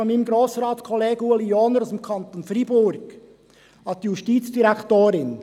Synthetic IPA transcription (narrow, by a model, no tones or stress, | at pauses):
ɔnmiːnəmɡɾoːsɾɑːtkʰɔleːɡəuəlioːnəɾʊsemkʰɑnt̪onfɾiːbʊɾɡ̥ | hɑt̪̚dijuʃtiːtt͡sd̥iɾɛkt̪oːɾɪn